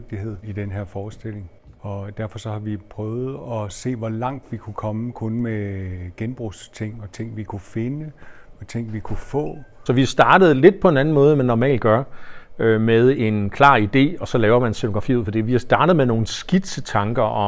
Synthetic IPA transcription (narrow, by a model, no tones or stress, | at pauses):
ɡ̥̚d̥ihe̝ð̰ˠid̥enɦeɐ̰fɒːsd̥e̝l̰e̝ŋ | ɒ̽d̥æɐfɒ̽sɒ̽hɑ̈ʋipʰʁœːʊð̞̩ˠɒ̽se̝̰ːʋɒlɑ̈ŋ̰d̥ʋikʰukʰɒ̽məkʰɔ̽nmeɡ̥enb̥ʁust͡sʰe̝ŋ̰ɒ̽t͡sʰe̝ŋ̰ʋikʰufe̝nəɒt͡sʰeŋ̰ʋikʰufɔ̰̽ːsɒ̽ʋihɑ̈sd̥ɑ̈ːd̥ð̞̩ˠle̝d̥̚pʰɒ̽e̝næn̩mɔ̽ːðˠmænːɒmɛ̰ːlɡ̥ɶɐømeðˠe̝nkʰlɑ̰̈ːid̥e̝̰ːɒ̽sɒ̽lɛːʊɐmænense̝no̥ʁɑfḭːð̩̰ˠfɒ̽d̥ḭʋihɑ̈sd̥ɑ̈ːɾ̥əð̞̩ˠmeno̝ːn̩sɡ̥id̥sət͡sʰɑ̈ŋɡ̥ɐʔɒ̽